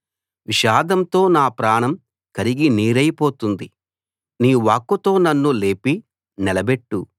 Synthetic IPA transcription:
ʋiʃaːd̪ɐmt̪o̞ːnaːpɾaːɳɐm | kɐɾiɡiniːɾɐjpo̞ːt̪und̪i | niːʋaːkːut̪o̞ːnɐnːule̞ːpi | nɛlɐbeʈːu

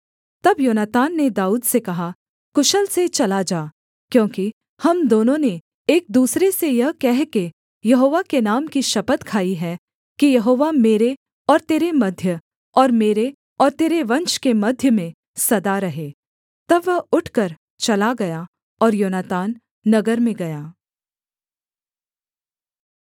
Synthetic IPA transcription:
t̪ɐbjoːnat̪aːnːed̪aːuːd̪sekɐɦa | kʊʃəlset͡ʃɐlad͡ʒaː | kjõːki | hɐmd̪oːnõne | eːk̚d̪uːsɾesejɐɦkɛɦke | jɐɦoːʋakenaːmkiʃɐpət̪kʰaːiɦɛ | kijɐɦoːʋameːɾe | ɔːɾt̪eːɾemɐd̪ʱjə | ɔːɾmeːɾe | ɔːɾt̪eːɾeʋɐ̃nt͡ʃkemɐd̪ʱjəmẽ | sɐd̪aɾɐɦeː | t̪ɐbːɐɦʊʈʰkəɾ | t͡ʃɐlaɡɐja | ɔːɾjoːnaːt̪aːnː | ɐɡəɾmẽɡɐjaː

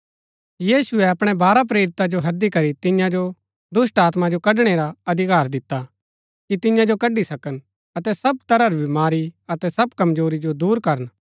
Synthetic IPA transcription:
jiːsʊɛɐpɽ̃ɛbaːɾap̬ɾeːɾɪt̪ad͡ʒoɦɐd̪ikɐɾit̪ɪjãd͡ʒo | d̪ʊsʈaːt̪mad͡ʒokɐɖɽ̃eɾaɐd̪ʱɪkaːɾd̪ɪt̪ːa | kit̪ɪjãd͡ʒokɐɖisɐkən | ɐt̪ɛsɐb̚t̪ɐɾaɾibɪmaːɾiɐt̪ɛsɐbkɐmd͡ʒoːɾid͡ʒod̪uːɾkɐɾən

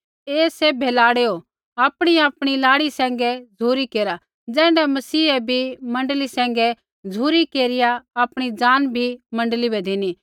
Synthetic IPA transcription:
eːsebʱeːlaːɽeːo | aːpɽ̃iaːpɽ̃ilaːɽisɛ̃ːŋ̆ɡɛd͡zʱuːɾikeːɾa | d͡zɛ̃ːɳɖɛmɐsiːɛbʱimɐ̃ɳɖlisɛ̃ːŋ̆ɡɛ | d͡zʱuːɾikeːɾɪjaaːpɽ̃id͡ʒaːnbʱimɐ̃ɳɖlibɛd̪eni

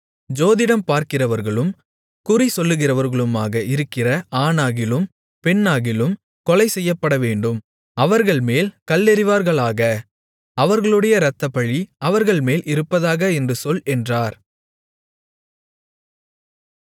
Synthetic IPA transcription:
d͡ʒoːðɪɽɐmpaːɾkɪrɐʋɐɾɣɐɭɯm | kʊrisɔlːɯɣɪrɐʋɐɾɣɐɭɯmaːɣɐʔɪɾɯkːɪrɐʔaːnaːɣɪlɯm | pɛɳːaːɣɪlɯm | kɔlɐɪsɛjːɐpːɐɽɐʋeːɳɖɯm | ɐʋɐɾɣɐɭmeːlkɐlːɛɾɪʋaːɾɣɐɭaːɣɐ | ɐʋɐɾɣɐɭɯɽɐjɐɾɐt̪ːɐpɐɭiɐʋɐɾɣɐɭmeːlʔɪɾɯpːɐðaːɣɐɛndrɯsɔlɛndraːɾ

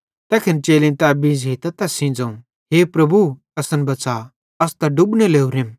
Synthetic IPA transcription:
t̪ɛːkʰɪnt͡ʃeːlĩnt̪ɛbĩːd͡ʒɦit̪ɐt̪ɛsĩːd͡zãũ | ɦeːpɾɐbu | ɐsənbɐsa | ɐst̪ɐɖʊbnɛleːuɾem

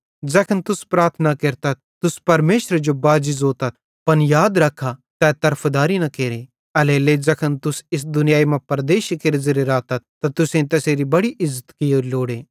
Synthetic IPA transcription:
d͡ʒɛkʰənt̪ʊspɾaːɾt̪ʰnakeːɾt̪ɐt̪̚t̪ʊspɐɾmeːʃɾd͡ʒobaːd͡ʒɪzoːt̪ɐt̪̚ | pɐnjaːd̪ɾɐkʰːat̪ɛːt̪ɐɾpʰd̪aːɾinɐkeːɾe | ɐleled͡zɐkʰənt̪ʊsɪs̬d̪ʊnɪjaːimãpɐɾd̪eːʃkeɾizɪɾeɾaːt̪ɐt̪̚t̪ːat̪ʊsẽt̪ɛseːɾibɐɽiʔɪzːət̪kioːɾiloːɽeː

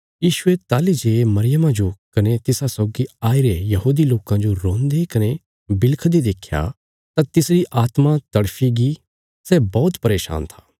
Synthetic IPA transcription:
jiːʃʊet̪aːlid͡ʒeːmɐɾɪjəmãd͡ʒokɐnet̪ɪsasɔːɡiaːiɾejɐɦuːd̪iloːkãd͡ʒoɾõːnd̪ekɐne | bɪlkʰd̪id̪eːkʰja̰ | t̪ãt̪ɪsɾiʔaːt̪mãt̪ɐɽfʰiɡi | sɛbɔːt̪pɐɾeːʃa̰ːnt̪ʰḁː

